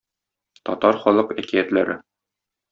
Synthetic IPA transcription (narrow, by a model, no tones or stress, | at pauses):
t̪ɒt̪ɑɾχɒlˠɤqækiæt̪læɾɘ